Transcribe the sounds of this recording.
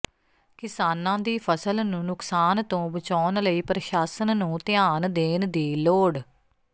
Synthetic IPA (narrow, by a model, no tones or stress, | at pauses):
kɪsaːnãːd̪iːpʰəsəlnũːnʊksaːnt̪õːbət͡ʃɔːnləiːpɾəʃaːsənnũːt̪ɪaːnd̪eːnd̪iːloːɽ